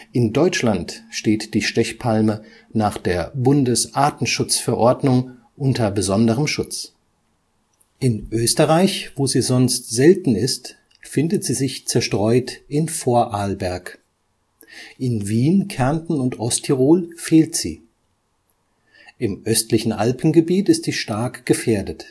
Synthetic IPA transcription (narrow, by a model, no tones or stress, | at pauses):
ʔɪndɔʏt͡ʃlantʃteːtd̥iːʃtɛçpʰalmə | naːχd̥eːɐbʊndəsʔaːtn̩ʃʊt͡sfɛɐʔɔɐdnʊŋ | ʔʊntɐbəzɔndəʁ̞əmʃʊt͡s | ʔɪnʔøːstəʁaɪçvoːziːzɔnstz̥ɛltn̩ɪst | fɪndətz̥iːzɪçt͡sɛɐʃtʁ̥ɔʏtɪnfoːɐʔaːlbɛɐk | ʔɪnviːnkʰɛɐntn̩ʊntʔɔstʰiʁoːlfeːltz̥ḭː | ʔɪmʔœstlɪçn̩ʔalpn̩ɡəbiːtɪstz̥iːʃtaɐkɡ̥əfeːɐdət